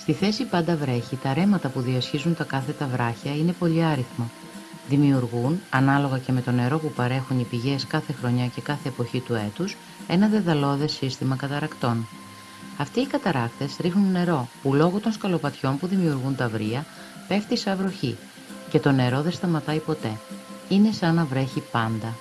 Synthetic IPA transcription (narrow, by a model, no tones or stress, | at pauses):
st̪iθe̞sipɐnd̪ɐvɾe̞çit̪ɐɾe̞mɐt̪ɐpuðiɐsçizunt̪ɐkɐθe̞t̪ɐvɾɐçɐine̞po̞ʎiɐɾiθmɐ | ðimiuɾɣunɐnɐlo̞ɣɐce̞me̞t̪o̞ne̞ɾo̞pupɐɾe̞xunipiʝe̞skɐθe̞xɾo̞ɲɐce̞kɐθe̞ːpo̞çit̪ue̞t̪us | e̞nɐðe̞ðɐlo̞ðe̞sist̪imɐkɐt̪ɐɾɐkt̪o̞n | ɐft̪iːkɐt̪ɐɾɐkt̪e̞sɾixnunːe̞ɾo̞pulo̞ɣut̪o̞nskɐlopɐt̪ço̞mpuðimiuɾɣunt̪ɐvɾiɐ | pe̞ft̪isɐvɾo̞çi | ce̞t̪o̞ne̞ɾo̞ðe̞st̪ɐmɐt̪ɐipo̞t̪e̞ine̞sɐnɐvɾe̞çipɐnd̪ɐ